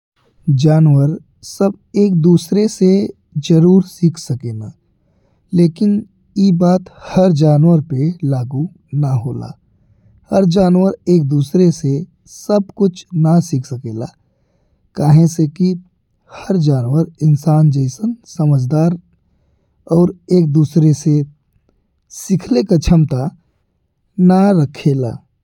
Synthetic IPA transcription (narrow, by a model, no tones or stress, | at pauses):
d͡ʒaːnwəɾ | sɐb | eːk̚d̪uːsɾese | d͡ʒəɾuːɾsikʰsɐkeːnaː | leːkɪn | jeːbaːt̪hɐɾd͡ʒaːnwəɾpelaːɡu | naɦoːla̰ː | hɐɾd͡ʒaːnwəɾeːk̚d̪uːsɾese | səb̚kʊt͡ʃʰnasɪkʰsəkeːlaː | kaːɦẽseki | həɾd͡ʒaːnwəɾɪnsaːnd͡ʒɛɪsənsəməd͡ʒd̪aːɾ | ɔːɾeːk̚d̪uːsɾese | sɪkʰlekat͡ʃʰəmt̪a | naɾəkʰeːla̰ː